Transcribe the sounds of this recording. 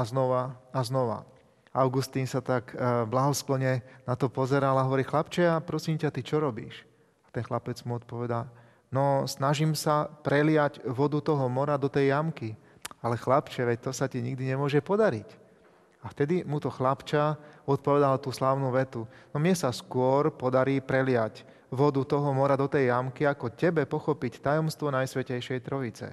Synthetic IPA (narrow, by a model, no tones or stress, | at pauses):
aznɔʋaaznɔʋa̰ | aʊɡust̪iːnsat̪akblaɦɔsklɔɲɛnat̪ɔpɔzɛɾalaɦɔʋɔɾiːxlapt͡ʃɛapɾɔsiːmcat̪it͡ʃɔɾɔbḭːʃ | ḁt̪ɛnxlapɛd͡zmuɔt̪̚pɔʋɛd̪al | nɔsnaʒimsapɾɛlɪjaɟʋɔd̪ut̪ɔɦɔmɔɾad̪ɔt̪ɛjːamki | alɛxlapt͡ʃɛʋɛc̚t̪ɔsaciɲiɡd̪iɲɛmʊɔʒɛpɔd̪aɾic | aft̪ɛd̪imut̪ɔxlapt͡ʃaɔt̪̚pɔʋɛd̪alt̪uːslaʊnuʋɛt̪unɔmɲɛsaskʊɔɾpɔd̪aɾiːpɾɛlɪac | ʋɔd̪ut̪ɔɦɔmɔɾad̪ɔt̪ɛjːamkiakɔcɛbɛpɔxɔpict̪ajɔmst̪ʋɔnajsʋɛcɛjʃɛjt̪ɾɔit͡sɛ̰